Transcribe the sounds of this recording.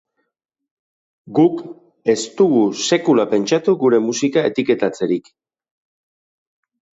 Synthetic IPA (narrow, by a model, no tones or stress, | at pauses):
ɡuk | e̞st̪uɣuse̞kulape̞nt͡ʃat̪uɣuɾe̞musikae̞t̪ike̞t̪at͡se̞ɾik